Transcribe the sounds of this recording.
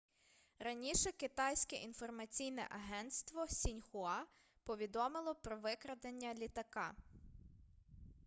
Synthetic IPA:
ɾɐnʲiʃɛkɪt̪ɑjsʲkɛʔinfɔrmɐt͡sʲijnɛ̰ʔɐɦɛnt̪st̪ʋɔsʲinʲxʊɑ | pɔʋʲid̪ɔmɪlˠɔpɾɔʋɪkɾɐd̪enʲːɐlʲit̪ɐkɑ

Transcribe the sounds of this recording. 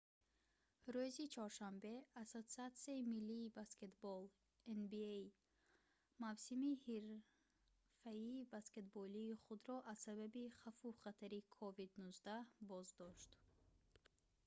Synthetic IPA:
ɾuzit͡ʃʰɔɾʃambe̞asot̪siat̪siaimilːiːbaske̞t̪bɔl | enbiej | mavsimihiɾ | faiːbaske̞t̪bɔliːχud̪ɾɔʔazsababiχafuχat̪ʰaɾikʰɔvid̪nuzd̪abɔzd̪ɔʃt̪

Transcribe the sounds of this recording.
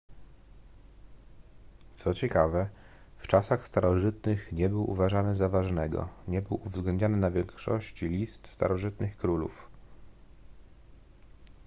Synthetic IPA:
t̪sɔt͡ɕɛkavɛ | ft͡ʂasaxst̪aɾɔʐɘt̪nɘxɲɛbɘwʔṵvaʐanɘzavaʐnɛɡɔ̰ɲɛbɘwuvzɡlɛnd̪ɲanɘnavʲjɛŋkʂɔ̰ɕt͡ɕilʲist̪st̪a̰ɾɔʐɘt̪nɘxkɾulṵf

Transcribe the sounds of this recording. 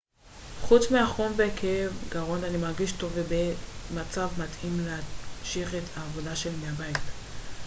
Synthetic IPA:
χut͡smeaχo̞mvekʰeevɡaʁo̞ndanimaʁɡiʃto̞vebemat͡savmatʰimleaʃiχethaːvo̞daʃe̞lmeabajt

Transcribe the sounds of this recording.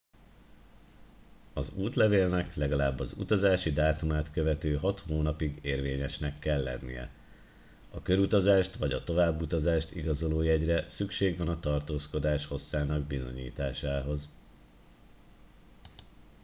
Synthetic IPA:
ɒzuːt̪lɛveːlnɛklɛɡɒlaːbːɒzṵt̪ɒzaːʃid̪aːt̪umaːt̪køvɛt̪øːɦɒt̪hoːnɒpiɡeːrveːɲɛʃnɛkːɛlːɛ̰nːḭjɛ̰ | ɒkø̞ɾut̪ɒzaːʃt̪ʋɒɟɒt̪o̞vaːbːut̪ɒzaːʃt̪ḭɡɒzo̞loːjɛɟrɛsykʃeːɡʋɒnɒt̪ɒrt̪oːsko̞d̪aːʃho̞sːaːnɒɡ̚bizo̞̰ɲḭːt̪aːʃaːɦo̞z

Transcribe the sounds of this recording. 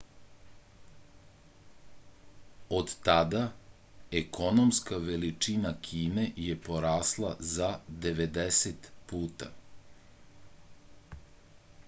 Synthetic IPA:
od̪t̪ad̪a | ekʰo̞nomskaʋelit͡ʂinakʰiːne̞jepoɾaːslˠazad̪e̞ʋed̪eset̪puːt̪a̰

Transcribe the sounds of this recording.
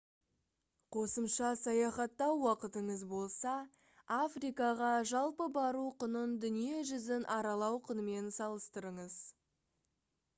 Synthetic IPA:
qʰo̞səmʃɑsɑjɑχɑt̪ːɑwːɑqət̪əɴəzbo̞lˠsɑ | afrijkɑʁɑʒɑlˠpəbɑɾuqʰənənd̪ʏnije̞ʒʏzɪnʔɑɾɑlˠɑwqʰənəme̞nsɑlˠəst̪əɾəɴəz̥

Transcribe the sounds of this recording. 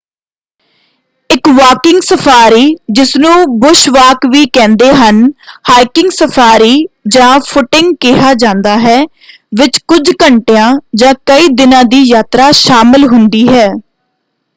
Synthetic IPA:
ɪkʋaːkɪŋɡsəpʰaːɾiːd͡ʒɪsnũːbʊʃʋaːkʋiːkɛ̃ːnd̪eːɦənhaːɪkɪ̃ŋɡsəpʰaːɾiːd͡ʒãːpʰʊʈɪŋɡkɪɦaːd͡ʒãːnd̪aːɦɛː | ʋɪt͡ʃkʊd͡ʒkəɳʈejãːd͡ʒãːkəiːd̪ɪnãːd̪iːjaːt̪ɾaːʃaːmɪlɦʊnd̪iːɦɛː

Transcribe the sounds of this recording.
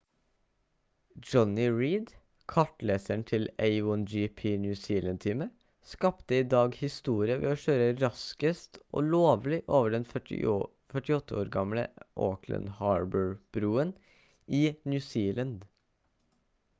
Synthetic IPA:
d͡ʒɔnɪɹiːd̪ | kʰɑʈleːsəɳt̪ʰɪleɪwɔnd͡ʒipʰiːnjʉːsiːlənt̪ʰiːmə | skɑpt̪əiːd̪ɑːɡhɪst̪uːɾɪəʋɛ̰ːoːʃøːɾəɾɑskəst̪ʔo̰ːloːʋlɪʔoːʋəɖɛn̰ | fœʈɪɔt̪ʰːəoːɾɡɑmlə̰ʔoːkʰlə̰nhɑːɹbəɹb̥ɾuːən | iːnjʉːsiːlənd̪

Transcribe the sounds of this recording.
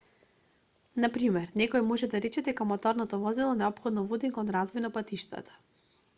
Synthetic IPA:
napɾimɛɾnɛkɔjmɔʒɛd̪aɾɛt͡ʃɛd̪ɛkamɔt̪ɔɾnat̪avɔzilˠɔnɛɔpxɔd̪nɔvud̪inkɔnɾazvɔjnapat̪iʃt̪a̰t̪ḁ

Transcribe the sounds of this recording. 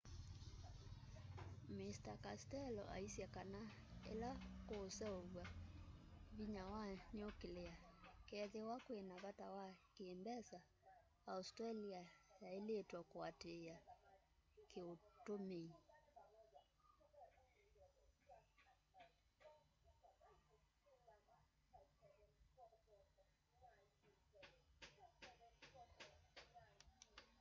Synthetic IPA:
mistakastɛlɔʔa̰isjakanaelakoːsɛoβwa | βiɲawaɲokeleakɛðewakwenaβatawakeːmbɛsaː | ustɾaliajaeletwakwatea | kiutumi

